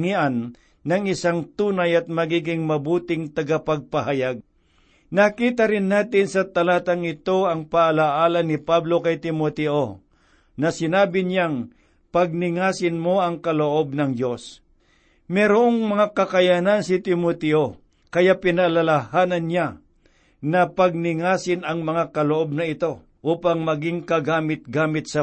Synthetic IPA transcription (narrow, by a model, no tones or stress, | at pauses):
ŋiʔanː | ɐŋɪsaŋt̪uːnajɐt̪̚mɐɡiːɡɪŋmɐbuːt̪ɪŋt̪ɐɡapɐɡ̚pɐhajaɡ̚ | nɐkiːt̪ɐɾɪnːaːt̪ɪnsɐt̪ɐlaːt̪ɐŋɪt̪o̞ɐŋpaʔːlaʔaːlɐnɪpablo̞kɐjt̪ɪmot̪ɛʔo | nɐsɪnaːbɪɲaŋ | pɐɡ̚nɪŋaːsɪnmo̞ʔɐŋkɐloʔo̞b̚nɐŋd͡ʒo̞s | mɛɾoʔoŋmɐŋakɐkɐjanansɪt̪ɪmot̪ɛʔo | kɐjapɪnɐlɐlɐhaːnɐnːɲa | nɐpɐɡ̚nɪŋaːsɪnɐŋmɐŋakɐloʔo̞b̚nɐɪt̪o̞ | ʔuːpɐŋmɐɡɪŋkɐɡaːmɪt̪̚ɡaːmɪt̪̚sɐ